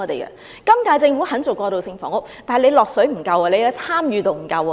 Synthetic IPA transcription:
ɔ˨˧t̪e˨˩jkɐ̰˧ | kɐ˥mkaː˧jt͡sɪ˧ŋfu˨˥hɐ˨˥nt͡so˨˩wkɔː˧t̪o˨wsɪ˧ŋfɔː˨˥ŋʊ˥k̚t̪aː˨ɦjle˨˧jlɔː˨k̚sɵ˨˥ɥm̩˨˩kɐ˧wɐː˨le˨˧ja˨˧˩t͡sʰaː˥mjyː˧t̪o˧wm̩˨˩kɐ˧wɔ˨

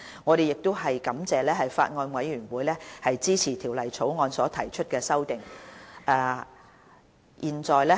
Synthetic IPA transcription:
ŋɔː˨˧ɾe˨jɪ˨k̚t̪ʊ˥wɦɐ˨jkɐ˨˥mt͡sɛː˨lɛː˥ɦɐ˨jfa̰ː˧t̚ŋɔː˧nwɐ˨˧jɥyː˨˩nwuː˨˥jlɛː˥hɐ˨jt͡siː˥t͡sʰiː˨˩t̪ʰiː˨˩wlɐ˨jt͡sʰo˨˥wŋɔː˨˧nsɔː˨˥t̪ʰɐ˨˩jt͡ʃʰɵ˥t̚kɛː˧sɐ˥wt̪ɪ˨ŋʔɛː˧ | jʔiː˨nt͡sɔː˨˩jlɛː˥

